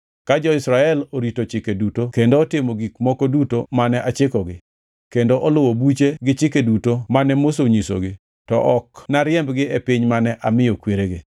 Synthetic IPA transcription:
kad͡ʒɔɪsɾaɛloɾitot͡ʃɪkedutokendoːtɪmoɡikmɔkodutomanɛʔat͡ʃɪkɔɡɪ | kendoʔɔlʊwobut͡ʃeɡɪt͡ʃɪkedutomanɛmos̬oɲiso̰ɡɪ | tɔ̰ʔɔknaɾjɛmbɡɪepɪɲmanɛʔamɪjokweɾeɡɪ

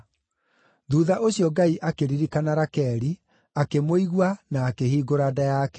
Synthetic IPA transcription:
ðuːðaʔoɕiɔɡaiʔakeɾiɾikanaɾakɛɾi | akemoiɣwanaːkehiːɡoɾadajakɛ̥

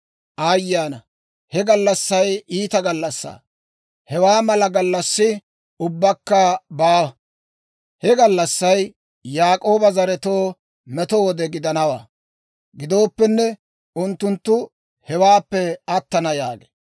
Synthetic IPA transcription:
ʔɐjːaːnɐ | hɛɡɐlːɐsːɐjiːt̪ɐɡɐlːɐsːa̰ː | hɛwaːmɐlɐɡɐlːɐsːɪ | ʊbːɐkːɐbaː | hɛɡɐlːɐsːɐj | jaːkʼo̞ːbɐzɐɾɛt̪oː | mɛt̪owɔd̪ɛɡɪd̪ɐnɐwa̰ː | ɡɪd̪o̞ːpːɛnːɛ | ʊnt̪ːʊnt̪ːʊ | hɛwaːpːɛɐt̪ːɐnɐjaːɡe̥

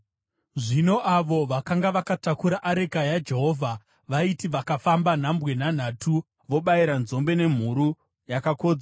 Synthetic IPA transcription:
ʐinoʔaʋo̞ʋakaŋɡaʋakatakuɾaʔaɾekajad͡ʒe̞ɦo̞ːvʱa | ʋaitiʋakafamban̤ambwe̞nan̤aːtʰu | ʋo̞ɓaiɾanzo̞mbe̞ne̞m̤uɾu | jakako̞ːd͡za

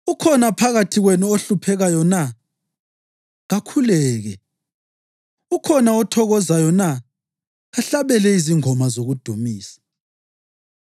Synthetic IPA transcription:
ukʰɔnapʰaɣatʰiɣwenuoɬupʰɛɣajɔna | ɣakʰulɛːɣɛ | ukʰɔnaɔtʰɔɣɔzajɔna | ɣaɬaβɛlɛiziŋɔmazoɣud̥ʱumiːsḁ

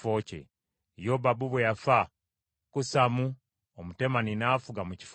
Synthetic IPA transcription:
ocḛ | jobabuβwejafa | kusamu | omute̞maninaːfuɡamuci̥f

